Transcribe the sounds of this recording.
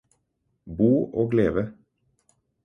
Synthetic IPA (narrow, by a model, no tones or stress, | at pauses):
buːʔoːɡleːʋə